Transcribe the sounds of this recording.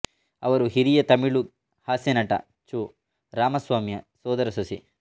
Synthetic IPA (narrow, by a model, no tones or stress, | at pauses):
ɐ̰ʋɐɾuɦiɾijɐt̪ɐmiɭu | haːsjɐnɐʈɐ̰ | t͡ʃu | ɾaːmɐsʋaːmjɐsɔːd̪ɐɾɐsɐsi